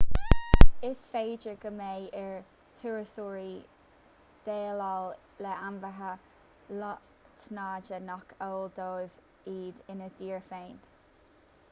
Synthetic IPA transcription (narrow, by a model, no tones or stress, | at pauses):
ɪsfeːd͡ʒəɡ̥əmeːɪɹ | t̪ʰuɹəsuːɹi | d̪̥eːlal | lɛanvəɦə | lɔ | t̪ʰnaːd͡ʒənɔkʰoːld̪oːv | iːd̪ɪnəd̥̪iːɹfeːn